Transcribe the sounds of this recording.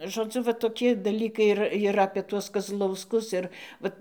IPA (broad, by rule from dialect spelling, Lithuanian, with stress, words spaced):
ʒoːˈd͡zʊ ʋɐ toːˈkʲɪ dɐˈlʲiːkɐɪ ɪr ɪr ɐpʲiɛ ˈtuɔs kɐzlˠɐʊsˈkʊs ˈɪr ˈʋɐt